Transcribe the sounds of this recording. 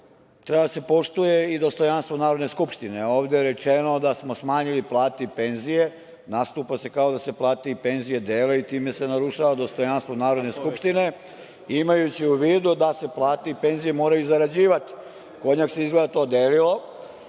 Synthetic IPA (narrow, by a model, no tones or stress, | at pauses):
t̪ɾebad̪ase̞po̞ʃt̪uje̞id̪o̞st̪o̞janst̪ʋo̞naːɾod̪neskupʃt̪ineo̞ːʋd̪eɾe̞t͡ʃe̞no̞d̪asmosmaːɲiliplˠaːt̪eipe̞nzije̞ | nast̪uːpase̞kao̞d̪ase̞plˠaːt̪eipe̞nzije̞d̪eːleit̪iːme̞se̞naɾuʃaʋad̪o̞st̪o̞janst̪ʋo̞naːɾo̞d̪ne̞skupʃt̪ine̞ | imajut͡ɕiuʋiːd̪ud̪ase̞plˠaːt̪eipe̞nzije̞mo̞ːɾajuzaɾad͡ʑiːʋat̪i̥ | ko̞ɲakse̞izɡled̪at̪o̞ːd̪eːlilo̞